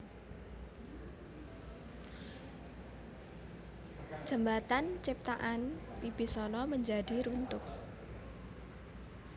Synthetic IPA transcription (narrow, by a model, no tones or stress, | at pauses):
ʒ̥əmbat̪ant͡ʃip̚t̪aʔanwib̥i̤sɔnɔməɲd͡ʒadi̤ɾunt̪ʊh